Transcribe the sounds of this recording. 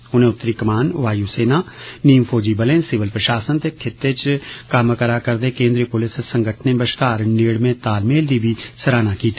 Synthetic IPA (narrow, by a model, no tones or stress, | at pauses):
ʊnẽʊt̪ːɾikəmaːnʋaːjuseːnaniːmfʰoːd͡ʒibəlẽnsɪʋəlpɾəʃaːsənt̪ekʰɪt̪ːet͡ʃkaːməkəɾakəɾd̪ekẽːnd̪ɾiəpʊlɪssə̃ŋɡʱəʈʰnebəʃkaːɾneːɽmẽt̪aːlmeːld̪ibʱisəɾaːnakiːt̪ː